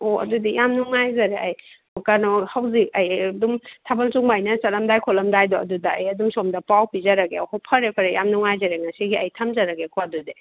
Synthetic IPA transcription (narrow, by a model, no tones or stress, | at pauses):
oɐ̰dudijamnuŋajzɐɾeʔɐj | kanɔhawzik̚ɐjdumtʰabɐlt͡ʃuŋmajnɐt͡ʃɐlɐmdajkʰolɐmdajdɔɐ̰dudɐːjɐdumsomdɐpawpizɐɾɐɡeɐhawpʰɐɾepʰɐɾejamnuŋajzaɾeŋasiɡiɐjtʰɐmzɐɾɐɡekʰoɐdude